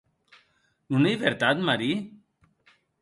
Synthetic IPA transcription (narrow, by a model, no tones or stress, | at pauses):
unaiβeɾt̪at̪maɾi